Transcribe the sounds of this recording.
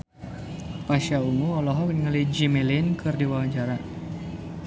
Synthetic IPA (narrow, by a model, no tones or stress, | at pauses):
paʃauŋuɔlɔɦɔkənŋalid͡ʒimɛlinkɨrdiwawad͡ʒaɾa